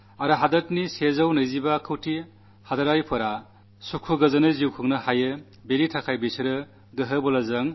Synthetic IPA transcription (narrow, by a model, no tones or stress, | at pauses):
aɾɐɦadɐtnisezɐwnɯjzibakʰɯwtʰi | hadɐɾajpʰɯɾa | sukʰuɡɯzɐnɯziwkʰɯŋnɯhajɯ | beɾitʰakʰajbisɯɾɯ | ɡɯɦɯbɔlɐzɐŋ